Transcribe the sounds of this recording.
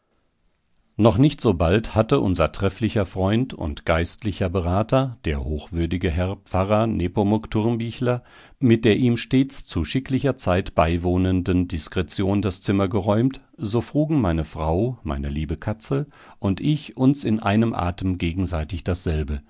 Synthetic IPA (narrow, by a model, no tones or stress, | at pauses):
nɔχnɪçtz̥oːbalthatəʔʊ̰nzɐtʁ̥ɛflɪçɐfʁ̥ɔʏntʊ̰ntɡ̥aɪstlɪçɐbəʁaːtɐd̥eːɐhoːxv̥ʏɐdɪɡəɦɛɐpp͡faʁɐnʔeːpomʊktʰʊɐmbiːçlɐ | mɪt̚d̥eːɐʔiːmʃteːt͡st͡suʃɪklɪçɐt͡saɪtb̥aɪvoːnəndəndɪskʁ̥ɛt͡sjoːndast͡sɪmɐɡəʁɔʏmt | zoːfʁ̥uːɡŋ̩maɪnəfʁ̥aʊma̰ɪnəliːbəkʰat͡sl̩ | ʔʊntʔɪçʔʊnsɪnʔa̰ɪnəmʔa̰ːtəmɡeːɡŋ̩zaɪtɪçd̥asz̥ɛlbə